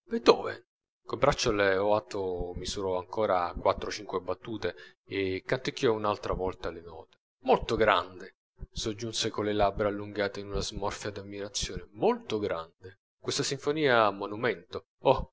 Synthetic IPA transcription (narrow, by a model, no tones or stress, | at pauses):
bed̪ɔːvḛ | kombɾat͡ʃːoleɔat̪ːomisuɾɔaŋkɔːɾakwat̪ːɾot͡ʃiŋkwebat̪ːuːt̪e | ekːant̪ikːiɔunalt̪ɾavɔlt̪alɪnɔ̰ːt̪e̥ | molt̪oɡɾa̰nd̪e | sod͡ʒːunsekolːelabɾaalːuŋɡaːt̪einunazmɔrfjad̪amːiɾat̪sːjoːnemolt̪oɡɾʔand̪e | kwest̪asiɱfoniːaːmːonumɛnt̪o | ɔ